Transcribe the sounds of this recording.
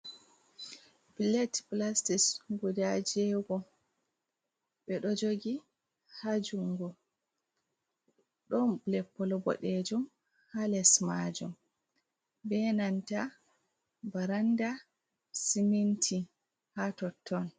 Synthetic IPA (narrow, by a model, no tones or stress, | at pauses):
bilɛtplastisɡudad͡ʒɛɡɔ | ɓɛɗɔd͡ʒoɡi | had͡ʒuŋɡɔ | ɗɔnblɛpːɔlɔbɔ̰ɗed͡ʒum | halɛsmad͡ʒṵm | bɛnanta | baɾanda | simintʰi | hatɔtʰːɔn